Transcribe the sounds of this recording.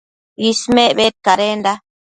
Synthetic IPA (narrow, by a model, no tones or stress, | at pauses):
ismẽʔβet̪̚kaɾend̪a